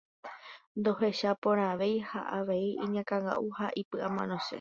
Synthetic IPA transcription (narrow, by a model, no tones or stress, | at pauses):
nd̪o̞ɦe̞ʃapõɾ̃ãʋe̞jha̰ʔaʋe̞iʔĩɲãkãŋɡa̰ʔuhaʔipɨʔamã̰nõse̞̰